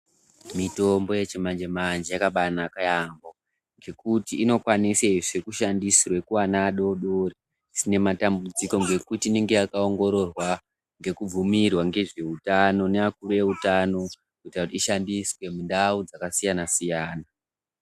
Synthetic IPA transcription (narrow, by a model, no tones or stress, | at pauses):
mito̞mbo̞je̞t͡ʃemand͡ʒe̞mand͡ʒejakaɓanakajambo | ŋɡe̞kutiːno̞kwaniseiʐekuʃandisirwe̞kuwanaɗo̞ɗori | sine̞matambud͡ziko̞ŋɡe̞kutiːne̞ŋɡe̞jakao̞ŋɡo̞ɾo̞rwa | ŋɡe̞kub͡vumirwaŋɡe̞ʐe̞utano̞neakuɾuje̞utano̞ | kuitirakutiːʃandiswe̞mundaud͡zakasijanasijaːna